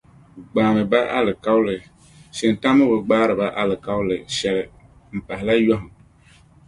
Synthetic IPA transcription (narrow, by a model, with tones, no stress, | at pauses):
ɡ͡baː˨mɨ˨ba˦ʔa̰˦lɨ˨ka˦wlɨ˨ | sɪ˨n˨ta˦mɨ˦bʊ˨ɡ͡baː˦ɾɨ˨ba˦ʔa˦lɨ˨ka˦wlɨ˨ʃɛ˨lɨ˨ | m̩˨pa˨ɦɪ˨la˦jɔ˦ɦʊ˨ŋ